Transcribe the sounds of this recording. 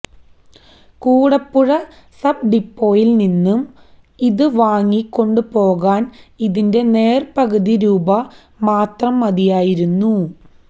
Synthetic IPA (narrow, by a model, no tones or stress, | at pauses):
kuːɽɐpːuɻɐ | sɐb̚ɖipːo̞ːjilninːum | iðɨʋaːŋːikːo̞ɳɖɨpo̞ːɣaːniðinde̞ne̞ːrpɐɣɐðiɾuːbɐ | maːt̪rɐmːɐðijaːjiɾunːu